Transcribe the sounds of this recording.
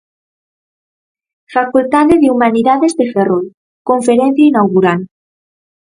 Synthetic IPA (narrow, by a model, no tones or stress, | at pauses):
fakult̪aðeðeumaniðaðezðeferoj | koɱfeɾen̟θjainawɣuɾan